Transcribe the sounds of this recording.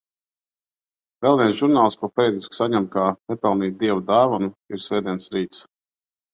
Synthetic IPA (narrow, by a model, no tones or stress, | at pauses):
vɛlˠviɛnsʒuɾnaːlˠskuɔpɛɾɛd̪isksaɲɛmt̪̚kaːt̪ɛpɛlˠniːt̪̚d̪iɛvud̪aːvanuiɾsvɛːd̪ʲiɛnsɾiːt̪s